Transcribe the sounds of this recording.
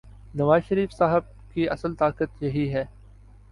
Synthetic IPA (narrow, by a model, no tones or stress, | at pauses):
nɐʋaːzʃəɾiːfsaːɦəb̚ | kiʔɐsəlt̪aːkət̪jɐɦiɦɛː